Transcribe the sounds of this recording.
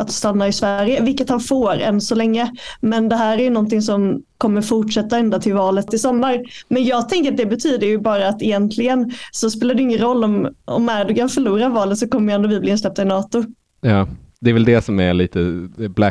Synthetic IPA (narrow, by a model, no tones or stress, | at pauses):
at̪st̪anːaɪsvæɾjəvɪlkːət̪hanfoːɾɛ̰nsɔlɛŋːəmɛnd̪ɛɦæːɾæɾjɵnɔnt̪ɪŋs̬ɔmkʰɔmːəɾfʊʈʂɛt̪ːaɛnd̪at̪ʰɪlvɑːlət̪ʰːɪlsɔmːaɾmɛnjɑːɡ̚t̪ʰɛŋkəɾat̪̚d̪ɛbɛt̪ʰyːd̪əɾjɵbɑːɾaːt̪ɛjɛnt̪ʰlɪɡənsɔspeːlad̪ɪjʏʏɪŋːənɾɔlːɔmɔ̰mæɖɵkʰanfœɭuːɾavɑːlət̪sɔkɔmːəjɛnd̪ʊvɪbliːnslɛp̚t̪aɪnɑːt̪ʊ | jɑːd̪ɛːɾvɛld̪ɛsɔmæ̰ɾɭiːt̪əblæ